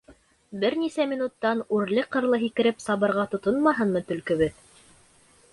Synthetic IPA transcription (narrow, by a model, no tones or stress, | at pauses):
bɘɾnisæmʲinut̪ːɑnʉɾlɘqɤ̆ɾlˠɤɦikɘ̆ɾɘpsɑβɤ̆ɾʁɑt̪ŏt̪onmɑɦɤnmɤt̪ɵ̆lkɘ̆βɘð